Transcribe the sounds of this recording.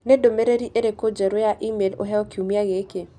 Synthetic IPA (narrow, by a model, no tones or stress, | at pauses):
nedomeɾeɾiʔeɾekod͡ʒɛɾojaʔimelo̰ɦɛɔkiumiaɣeke